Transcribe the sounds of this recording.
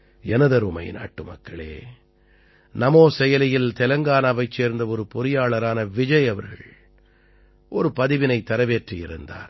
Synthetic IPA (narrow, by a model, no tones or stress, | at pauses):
ɛnɐðɐɾɯmɐ̰ɪna̰ːʈːɯmɐ̰kːɐɭḛː | nɐmoːsɛjɐlɐjɪlt̪ɛlɐŋɡaːnɐʋɐɪt͡ʃːeːɾnd̪ɐɔɾɯpʊɾɪjaːɭɐɾaːnɐʋɪd͡ʒɐɪɐʋɐɾɣɐ̰ɭɭ | ʔɔɾɯpɐðɪʋɪnɐɪt̪ːɐɾɐʋeːʈrijɪɾɯnd̪a̰ːɾ